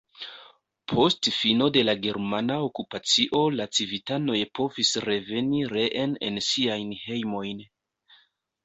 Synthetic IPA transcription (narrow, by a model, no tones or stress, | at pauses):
pʰo̞stfino̞de̞laɡe̞ɾmanao̞kupat͡siʔo̞lat͡sivitano̞jpo̞visɾe̞ve̞niɾe̞ʔene̞̰nsiajnhe̞jmo̞jn